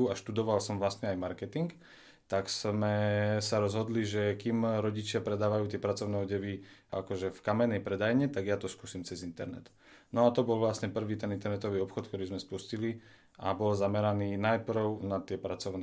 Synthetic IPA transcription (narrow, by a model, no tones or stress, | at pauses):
uaʃt̪ud̪ɔʋalsɔmʋlast̪ɲɛajmaɾkɛt̪iŋk | t̪aksmɛsaɾɔzɦɔd̪liʒɛkimɾɔɟit͡ʃɪapɾɛd̪aːʋajuːt̪ɪɛpɾat͡sɔʊnɛɔɟɛʋiakɔʒɛfkamɛnɛjpɾɛd̪ajɲɛt̪aɡjat̪ɔskuːsiːmt͡sɛzint̪ɛ̰ɾnɛ̰t̪ | nɔat̪ɔbɔlʋlasɲɛpr̩ʋiːt̪ɛnint̪ɛɾnɛt̪ɔʋiːɔpxɔt̪̚kt̪ɔɾiːzmɛspuscili | ʔa̰bɔlzamɛɾaniːnajpr̩ʊnat̪ɪɛpɾat͡sɔʊnɛ